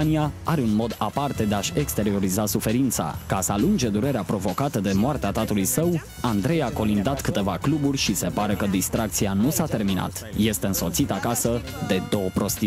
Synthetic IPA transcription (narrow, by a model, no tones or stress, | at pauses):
niaaɾe̞unmo̞d̪apart̪e̞d̪e̞aʃʲe̞kst̪e̞ɾio̞ɾizasufe̞ɾint̪sa̰kasəalund͡ʒe̞d̪uɾe̞ɾeapɾo̞vo̞kat̪əd̪e̞moart̪eat̪at̪ulujsəw | and̪ɾe̞jako̞lind̪at̪kɨt̪e̞vakluburʲʃise̞paɾe̞kəd̪ist̪ɾʔakt̪sianusat̪e̞rmina̰t̪je̞st̪e̞ɨnso̞t̪sit̪akasə | d̪e̞d̪o̞wəpɾo̞st̪i